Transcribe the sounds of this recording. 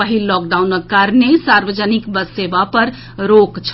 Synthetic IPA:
əɦilːɔːk̚ɖaunəkkːaɾnesaɾʋəd͡ʒənikbəssebapəɾ | ɾokt͡ʃʰ

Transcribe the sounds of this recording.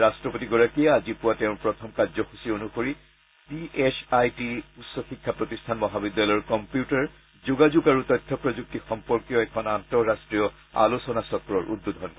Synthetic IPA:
ɹastɹɔpotiɡɔɹakijɛazipʊwatɛʊ̃npɹɔtʰɔmkazɔxusionuxoɹi | piʔesʰajtiutsɔxikʰːapɹɔtistʰanmɔɦabid̪ːalɔɹkɔmpjutaɹ | zuɡazuɡaɹutɔjtʰːɔpɹɔzuk̚tixɔmpɔɹkijɔɛkʰɔnantɔɹːastɹiɔ | a̰losɔnasɔkɹɔɹʔṵdːud̪ʱɔɔnkɔ

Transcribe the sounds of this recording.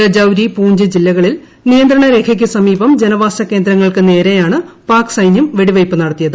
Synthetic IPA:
ɾɐd͡ʑɐwɾipuːɲd͡ʑɨd͡ʑilːɐɣɐɭil | nijɐnd̪ɾɐɳɐɾe̞ːkʰɐk̬ʲːɨsɐmiːbɐmd͡ʑenɐʋaːsɐkːe̞ːnd̪ɾɐŋːɐɭkɨne̞ːɾejaːɳɨ | paːksɐjnjumʋe̞ɽiʋɐjpːɨnɐɽɐt̪ːijɐðɨ

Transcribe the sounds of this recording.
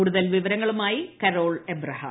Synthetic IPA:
uːɽuðɐlʋiʋɐɾɐŋːɐɭumaːjikɐɾo̞ːɭebrɐɦɐ̰

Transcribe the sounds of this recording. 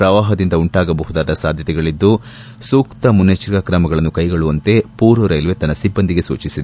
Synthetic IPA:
pɾɐʋaːɦɐd̪ind̪ɐuɳʈaːɡɐbɐɦud̪aːd̪ɐsaːd̪ʱjɐt̪ɛɡɐɭid̪ːu | suːkt̪ɐmunːet͡ʃiɾɡaːkɾɐmɐɡɐɭɐnːukɐjɡɐɭuʋɐnt̪e̞puːɾuɾɐjlʋet̪ɐnːɐsibːɐnd̪iɡe̞sṵːt͡ʃisid̪e

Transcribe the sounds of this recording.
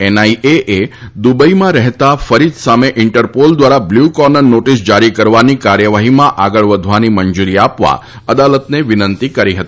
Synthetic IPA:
ɛnaiʔeʔed̪ubəimãɾɛɦt̪afəɾid͡ʒsameʔɪɳʈəɾpold̪ʋaɾabljukɔnəɾnoʈisd͡ʒaɾikəɾʋanikaɾjəʋaɦimãʔaɡəɭʋəd̪ʱʋanimənd͡ʒuɾiapʋa̰ | əd̪alət̪neʋɪnənt̪ikəɾiɦət̪ii

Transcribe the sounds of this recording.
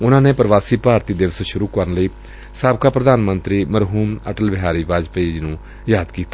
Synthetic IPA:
ʊnãːneːpəɾəʋaːsiːpaːɾt̪iːd̪ɪʋsʃʊɾuːkəɾənləiː | saːbkaːpɾəd̪aːnmənt̪ɾiːməɾɦuːməʈəlʋɪɦaːɾiːʋaːd͡ʒpeːd͡ʒnũː | jaːd̪kiːt̪a

